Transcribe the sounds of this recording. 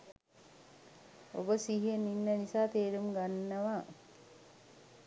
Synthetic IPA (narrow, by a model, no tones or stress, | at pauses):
o̰bəsiɦiəninːənisaːt̪eːɾumɡanːəʋa